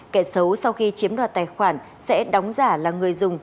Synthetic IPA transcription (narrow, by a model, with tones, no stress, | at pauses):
kɛ˧˩sə˨˦wsa˧wxi˧t͡ɕi˨˦əmɗwaː˨˩t̪aː˨˩jxwaː˧˩n | sɛ̰˧˥ɗa˨˦wŋ͡mzaː˧˩laː˨˩ŋɨ˨˩əjzʊ˨˩ŋ͡m